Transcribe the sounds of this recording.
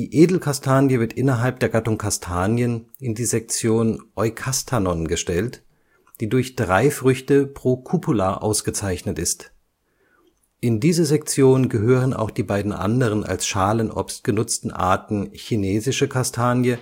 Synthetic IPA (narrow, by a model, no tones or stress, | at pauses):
d̥iːʔeːdl̩kʰastʰaːnjəvɪɐtʔɪnɐɦalp̚d̥eːɐɡatʊŋkʰastʰaːnjənɪndiːzɛk̚t͡sjoːnʔɔʏkʰastʰanɔnɡəʃtɛlt | d̥iːdʊɐçd̥ʁaɪfʁ̥ʏçtəpʁ̥oːkʰupʰʊlaʔa̰ʊsɡ̥ət͡saɪçnətʔɪst | ʔɪndiːzəzɛk̚t͡sjoːnənɡəɦøːʁəna̰ʊxd̥iːbaɪdn̩ʔa̰ndəʁ̞əna̰lsʃaːlənʔɔ̰pst̚ɡ̥ənʊt͡stn̩ʔa̰ɐtn̩çineːzɪʃəkʰastʰaːnjə